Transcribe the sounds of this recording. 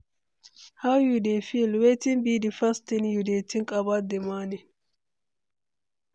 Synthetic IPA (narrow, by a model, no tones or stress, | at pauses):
hɐwjudefilwet̪ɪnbid̪ɪfɐst̪ɪnjud̪eːt̪ɪŋkʼɐbad̪ɛmaːnɪ